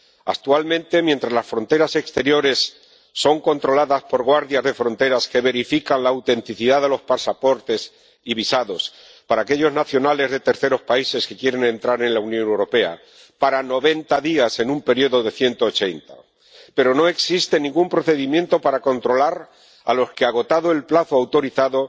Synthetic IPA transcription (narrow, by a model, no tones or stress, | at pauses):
a̰k̚t̪ualmẽnt̪e̞mje̞nt̪ɾazlasfɾo̞nt̪e̞ɾase̞kst̪e̞ɾjo̞ɾe̞sː | o̞ŋko̞nt̪ɾo̞laðaspo̞ɾɣwaɾðjazðe̞fɾo̞nt̪e̞ɾaske̞βe̞ɾifikanlaːwt̪e̞nt̪iθiðaðe̞lo̞spasapo̞ɾt̪e̞s | iβisaðo̞s | paɾaːke̞ʎo̞znaθjo̞nale̞zðe̞t̪e̞ɾθe̞ɾo̞spaise̞ske̞kje̞ɾe̞nẽ̞nt̪ɾaɾe̞nlaunjõ̞newɾo̞pe̞a̰ | paɾano̞βe̞nt̪aðiase̞numpe̞ɾioðo̞ðe̞θje̞nt̪o̞ːt͡ʃe̞nt̪a | pe̞ɾo̞no̞e̞ksist̪e̞nĩŋɡumpɾo̞θe̞ðimjent̪o̞paɾako̞nt̪ɾo̞laɾ | a̰lo̞ske̞aɣ̞o̞t̪aðo̞e̞lplaθoawt̪o̞ɾiθaðo̞